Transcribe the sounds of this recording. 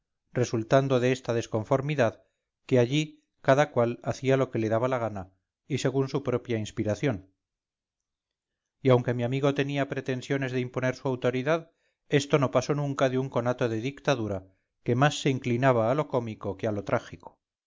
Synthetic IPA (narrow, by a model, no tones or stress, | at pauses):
re̞sult̪and̪o̞ðeest̪aðe̞sko̞ɱfo̞ɾmiðað | keaʎi | kaðakwalaθialo̞ke̞le̞ðaβalaɣ̞ana | ise̞ɣunsupɾopjainspiɾaθjo̞n | iawŋke̞miamiɣo̞t̪e̞niapɾe̞t̪e̞nsjo̞ne̞zðeimpo̞ne̞ɾsuawt̪o̞ɾiðað | e̞st̪o̞no̞paso̞nũŋkaðeuŋko̞nat̪o̞ðe̞ðikt̪aðuɾa | ke̞masːe̞iŋklinaβ̞aːlo̞ko̞miko̞kealo̞t̪ɾʔaxiko̥